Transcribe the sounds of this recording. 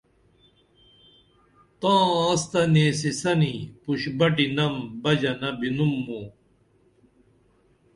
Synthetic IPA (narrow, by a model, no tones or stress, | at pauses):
t̪ãːãːst̪ɐneːsisɐnipuɕbɐʈinɐmbɐd͡ʑɐnɐbinumːoː